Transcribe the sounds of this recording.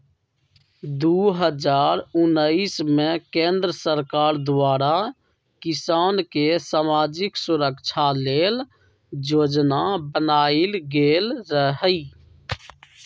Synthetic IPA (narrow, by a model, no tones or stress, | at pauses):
d̪uɦəd͡ʒaːɾʊnːəismẽkẽːnd̪ɾəsəɾkaːɾd̪waːɾa | kɪsaːnkesaːmaːd͡ʒɪksʊɾəkt͡ʃʰaleːl | d͡ʒoːd͡ʒnabənaːilɡeːlɾəɦəi